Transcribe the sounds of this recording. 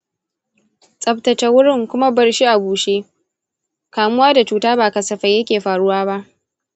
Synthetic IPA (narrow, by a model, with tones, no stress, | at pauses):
sʼɐ˨b̚tɐ˨t͡ʃɛ˦wʊ˦ɽɪ˦˨ŋkʷʊ˦ma˦bɐ˨ɽʃi˦ʔa˨buː˨ʃeː˦ | kaː˨mʊ˦waː˦da˨t͡ʃuː˦taː˦baː˨kɐ˨sɐ˨ɸɐ˨jɐ˦kʲeː˨ɸaː˨ɽʊ˦waː˦ba˦ʔ